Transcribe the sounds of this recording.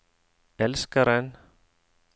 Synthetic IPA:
ɛlskaɾan

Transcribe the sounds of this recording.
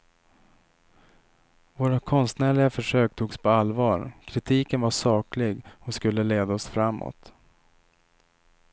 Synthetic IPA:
voːɾakʰɔnst̪næːɭɪɡafœʂøːk̚t̪ʰuːɡspʰɔalvɑːɾkʰɾɪt̪ʰiːkənvaʂɑːklɪɡɔskɵlːəleːd̪aɔsfɾamːo̰ːt̪

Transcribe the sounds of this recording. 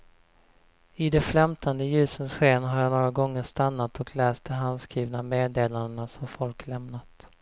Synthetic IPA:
ɪd̪ɛfɾɛmt̪ʰand̪əjʉ̟ːsənsɧeːnɦaɾjanoːɾaɡɔŋːəʂt̪anːat̪ʰɔkʰlɛːst̪̚d̪ɛɦand̪skɾiːvnameːd̪eːland̪ənasɔmfɔlklɛmnat̪

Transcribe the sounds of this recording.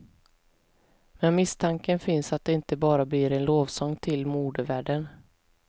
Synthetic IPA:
mɛnmɪst̪ʰaŋkənfɪnsat̪̚d̪ɛɪnt̪əbɑːɾablɪɾɛnloːvsɔŋt̪ʰɪlmuːd̪əvæːɖən

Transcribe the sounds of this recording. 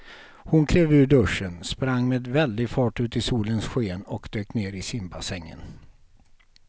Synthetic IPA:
hʊnkʰɾeːvʉ̟ːɖɵʂːənspɾaŋːmeːd̪vɛld̪ɪɡfɑːʈʉ̟ːt̪ɪsuːlənsɧeːnɔkd̪øːk̚t̪neːɾɪsɪmbasɛŋːə̰n

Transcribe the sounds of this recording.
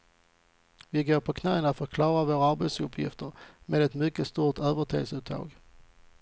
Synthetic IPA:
vɪɡoːɾpʰɔkʰnɛːənat̪fœɾt̪kʰlɑːɾavoːɾaaɾbɛt̪sɵpʰːjɪ̰ft̪əɾmeːd̪ɛt̪mʏkːəst̪uːʈøːvəʈʰḛːsʉːt̪ʰːɑ̰ːɡ

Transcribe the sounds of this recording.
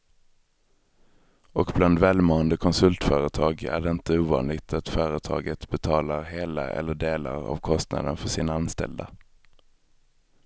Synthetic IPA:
ɔkbland̪vɛːlmoːənd̪əkʰɔnsɵlt̪fœːɾət̪ʰɑːɡæ̰ɖɛɪnt̪əuːvɑ̰ːnlɪɡt̪ʰat̪fœːɾət̪ʰɑ̰ːɡət̪bɛt̪ʰɑːlaɾɦeːla̰ʔɛ̰lːəɖeːlaɾa̰vkʰɔst̪na̰d̪ənfœʂɪnaanst̪ɛ̰ld̪a

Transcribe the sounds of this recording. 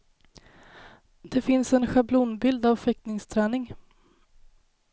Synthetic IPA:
d̪ɛfɪnsɛnɧabluːnbɪld̪avfɛk̪̚nɪŋst̪ʰɾɛːnɪŋ

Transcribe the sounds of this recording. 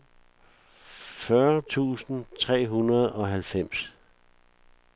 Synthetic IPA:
fɶɐt͡sʰṵːsn̩t͡sʰʁɛ̰ːɦunɐð̞̩ˠɒ̽ɦælfem̰s

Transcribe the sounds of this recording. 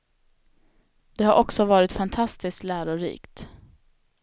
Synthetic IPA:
d̪ɛhaɾʔɔksɔvɑːɾɪt̪fant̪ʰast̪ɪskt̪læːɾʊɾḭːkt̪

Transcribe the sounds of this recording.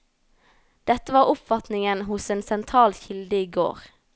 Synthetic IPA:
d̪̥ɛt̪əʋɑːʁʊpfɑt̪nɪŋənɦʊseːnsɛnt̪ʰʁɑːlçɪld̪əiːɡo̰ːʁ

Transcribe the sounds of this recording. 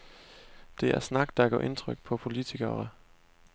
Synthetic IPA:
d̥e̝æɐsnɑ̈ɡ̥d̥ɑ̈ɡ̥ɒ̰ːʔe̝nt͡sʰʁœɡ̥̚pʰɒ̽pʰo̝lit͡sʰiɡ̥ɐ

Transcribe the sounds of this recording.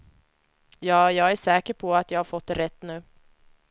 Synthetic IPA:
jɑːjɑːɡæʂɛːkəɾpʰɔat̪jɑːɡhaɾfɔt̪ːɾɛt̪ːnʉ̟ː

